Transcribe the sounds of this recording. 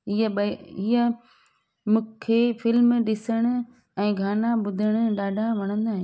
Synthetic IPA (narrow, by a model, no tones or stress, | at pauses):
ɦiəɓɐiə | mũːkʰeːfɪlmɗɪsəɽ̃ʊ̆ | ɛ̃ːɡʱaːnaɓʊd̪ʱɪəɽ̃ʊ̆ɗaːɖʱaʋɐɽ̃ə̃nd̪aːɦɪ̃